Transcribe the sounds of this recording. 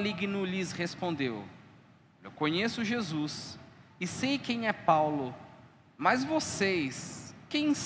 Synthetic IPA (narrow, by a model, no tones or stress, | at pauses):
liɡnʊlizhespõnd̪ew | ewkõɲesʊʒezusɪsejkẽj̃ɛpawlʊ | mɐzvosejskẽj̃s